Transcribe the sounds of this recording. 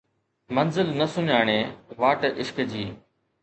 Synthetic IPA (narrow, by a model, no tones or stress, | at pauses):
mənzɪlnəsʊɲaːɳ̃eːʋaːʈʔɪʃkd͡ʑiː